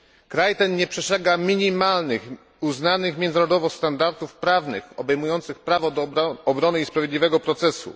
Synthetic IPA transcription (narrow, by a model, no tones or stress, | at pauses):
kɾajt̪ɛnɲɛpʂɛʂɛɡamʲiɲimalnɘx | uznanɘxmʲjɛnd̪zɾɔd̪ɔvɔst̪and̪aɾt̪ufpɾavnɘ̰xɔbɛjmujɔnt̪sɘxpɾavɔd̪ɔbɾɔnɘispɾavʲjed̪lʲivɛɡɔpɾɔt̪sɛsṵ